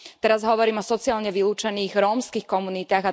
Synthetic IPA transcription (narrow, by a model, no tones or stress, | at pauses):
t̪ɛɾazɦɔʋɔɾiːmɔsɔt͡siaːlɲɛʋiluːt͡ʃɛniːɣɾɔmskixkɔmunit̪aːɣa